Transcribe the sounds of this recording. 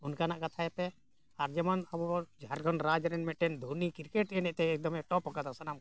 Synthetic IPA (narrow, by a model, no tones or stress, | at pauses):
unkanaʔkat̪ʰaɛpɛ | aɾd͡ʒɛmɔnabɔɔd͡ʒʱaɾɡʱɔnɾad͡ʒɾɛnmɛʈɛnd̪ʱunikiɾkeʈɛnɛʔt̪ɛːk̚d̪ɔmɛʈɔpɔkad̪asanam